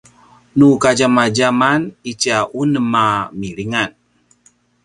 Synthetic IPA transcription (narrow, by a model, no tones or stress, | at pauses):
nukad͡ʒamad͡ʒamanit͡ʃaʔunəmamiliŋan